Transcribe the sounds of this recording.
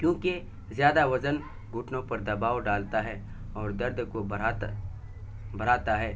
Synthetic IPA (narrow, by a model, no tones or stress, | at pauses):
kjõːke | zjaːd̪aʋɐzən | ɡʊʈnõpɐɾd̪ɐbaːwɖaːlt̪aɦɛ | ɔːɾd̪ɐɾd̪ʱko | bɐɾaːt̪aɦɛː